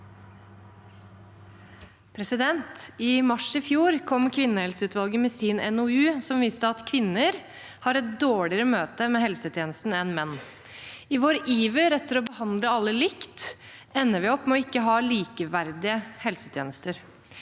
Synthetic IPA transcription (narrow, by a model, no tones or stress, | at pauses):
pʰɾɛsɪd̪ɛnt̪ɪmɑʂɪfjuːɾkʰɔmːkʰʋɪnːəhɛlsəʉːt̪ʋɑlɡəmɛsiːnɛnɔʉːsɔmʋiːst̪əɑt̪kʰʋɪnːəɾ | hɑːɾɛt̪̚d̪oːɭɪəɾəmøːt̪əmɛːɦɛlsət̪ʰjeːnəst̪n̩ɛnmɛnː | ɪʋoːɾʔiːʋəɾɛt̪ːəɾɔbəhɑnd̪ləɑlːəlɪkt̪ | ɛnːəʋɪɔpːmɛɔɪkːəɦɑːliːkəʋæɾd̪ɪəhɛlsət̪ʰjeːnəst̪əɾ